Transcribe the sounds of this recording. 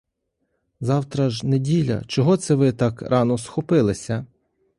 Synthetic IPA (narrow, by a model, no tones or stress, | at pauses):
zɑwt̪ɾɐʒnedʲilʲɐ̰t͡ʃɔɦɔt̪sɛʋɪt̪ɑkɾʔɑnɔsxɔpɪlˠɪsʲɐ